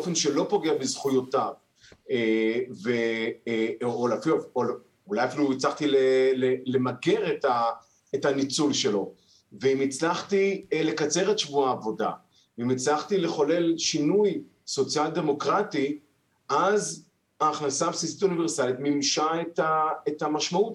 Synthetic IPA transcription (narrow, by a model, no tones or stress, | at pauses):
ofenʃe̞lo̞po̞ɡeabezχujotav | eve | olafilofol | ulajafiluit͡slaχt̪ilelelemaɡe̞ʁet̪a | etanit͡sulʃe̞lo̞ | veimit͡slaχt̪ile̞kat͡se̞ʁetʃvuaːvo̞da̰ | veimit͡slaχt̪ile̞χo̞le̞lʃinuj | so̞t͡sjald̪e̞mo̞kʁati | ʔaz | aːχnasapsisit̪univeʁsalit̪mimʃaet̪aetamaʃmaut